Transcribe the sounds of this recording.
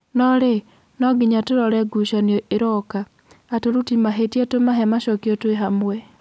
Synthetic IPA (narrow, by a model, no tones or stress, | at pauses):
nɔɾe | nɔɡiɲatoɾɔɾɛɡuʃanjɔeɾɔkaː | toɾutimaɦetjatomaɦɛmaʃɔkjɔtweɦamwɛ